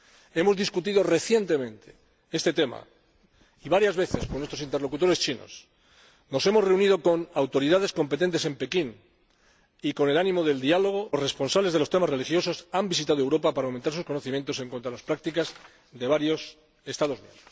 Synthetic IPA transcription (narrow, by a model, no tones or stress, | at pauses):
e̞mo̞zðiskut̪iðo̞re̞θje̞nt̪e̞mẽ̞nt̪e̥ | e̞st̪e̞t̪e̞ma̰ | iβaɾjazβe̞θe̞skonwest̪ɾoint̪elo̞kut̪o̞ɾe̞st͡ʃino̰s | no̞se̞mo̞sre̞unið̞o̞ko̞nawt̪o̞ɾiðaðe̞sko̞mpe̞t̪e̞nt̪e̞se̞mpe̞kin | iko̞ne̞lanĩmo̞ðe̞ld̪ialo̞ɣ̞o̞sre̞spo̞nsaβle̞zðe̞lo̞st̪e̞mazre̞lixjo̞sosambisit̪að̞oe̞wɾo̞papaɾawment̪aɾs̬usko̞noθimje̞nt̪o̞se̞ŋkwont̪alaspɾak̚t̪ikaz | ðe̞β̞aɾjo̞s | e̞st̪aðo̞snemɾos